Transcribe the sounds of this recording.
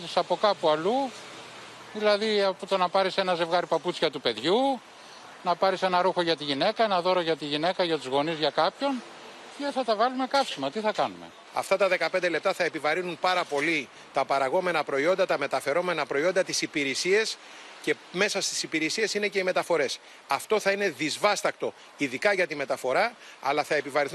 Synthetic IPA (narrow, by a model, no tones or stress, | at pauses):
t̪isɐpo̞kɐpuɐlu | ðilɐðiɐpot̪onɐpɐɾise̞nɐze̞vɣɐɾipɐput͡sçɐt̪upe̞ðʝu | nɐpɐɾise̞nɐɾuxo̞ʝɐt̪iʝine̞kɐenɐðo̞ɾo̞ʝɐt̪iʝine̞kɐʝɐt̪uzɣo̞nizʝɐkɐpço̞n | ce̞θɐt̪ɐvɐlume̞kɐpsimɐt̪iθɐkɐnume̞̰ | ɐ̰ft̪ɐt̪ɐðe̞kɐpe̞nd̪ele̞p̚t̪ɐθɐe̞pivɐɾinunpɐɾɐpo̞li | t̪ɐpɐɾɐɣo̞me̞nɐpɾo̞io̞nd̪ɐt̪ɐme̞t̪ɐfe̞ɾome̞nɐpɾo̞io̞nd̪ɐt̪isipiɾisie̞s | ce̞ | me̞sɐst̪i̥sipiɾisie̞sine̞ce̞ime̞t̪ɐfo̞ɾe̞s | ɐft̪o̞θɐine̞ðizvɐst̪ɐk̚t̪o̞ | iðikɐʝɐt̪ime̞t̪ɐfo̞ɾɐɐ̰lɐθɐe̞pivɐɾinθ